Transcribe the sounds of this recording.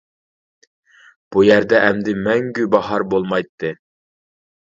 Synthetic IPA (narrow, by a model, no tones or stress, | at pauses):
b̥ujɛɾd̪ɛʔɛmd̪ɪmɛŋɡʲybɑɦɑɾbolˠmɑjt̪ʰːɨ